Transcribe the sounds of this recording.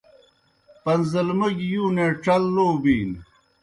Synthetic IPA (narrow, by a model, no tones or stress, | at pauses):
pɐnzɐlməɡjuːneʈ͡ʂɐlːoːbiːn